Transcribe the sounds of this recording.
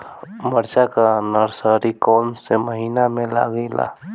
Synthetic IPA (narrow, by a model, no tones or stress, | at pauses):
məɾt͡ʃakanəɾsaɾikɔːmseməɦiːnamela̰ɡəɪla̰